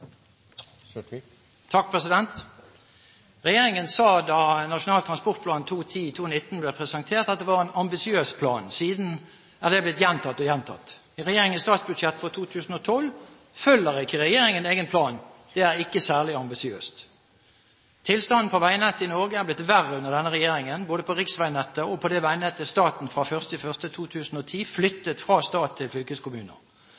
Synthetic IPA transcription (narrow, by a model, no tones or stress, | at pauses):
t̪ʰɑk̚pʰʁɛsɪd̪ɛnt̪ | ʁɛjeːʁɪŋənsɑːd̪ɑnɑʂʊnɑːlt̪ʰʁɑnspɔʁt̪pʰlɑːnt̪ʰuːt̪ʰiːt̪ʰuːnɪt̪ːn̩bleːpʰʁɛsənt̪ʰeːʁt̪ɑt̪̚d̪ɛʋɑːʁɛnɑmbɪsɪøːspʰlɑ̰ːnsiːd̪n̩ | æd̪ɛblɪt̪jɛnt̪ʰɑt̪ːɔjɛnt̪ʰɑ̰t̪ː | ʁɛjeːɾɪŋənst̪ɑːt̪sbʉd̪ʂɛt̪ːfɔʁt̪ʰuːt̪ʰʉːsn̩ɔt̪ʰɔl | fœlːəʁɪkːəʁɛjeːɾɪŋəneːɡənpʰlɑːnd̪̥ɛæʁɪkːəsæːʁlɪɑmbɪsɪøːst̪ | t̪ʰɪlst̪ɑnn̩pʰɔʋæɪnɛt̪ːəɪnɔʁɡəæblɪt̪ʋæʁəʉnəʁd̪ɛnːəʁɛjeːɾɪŋənboːd̪əpʰɔʁɪksʋæɪnɛt̪ːəɔpʰɔd̪ɛʋæɪnɛt̪ːəst̪ɑːt̪n̩fʁɑfœʁst̪ɪfœʁst̪ət̪ʰuːt̪ʰʉːsn̩ɔt̪ʰiːflʏt̪ːət̪fʁɑːst̪ɑːt̪ʰːɪlflʏkəskʊmʉːnə̰ʁ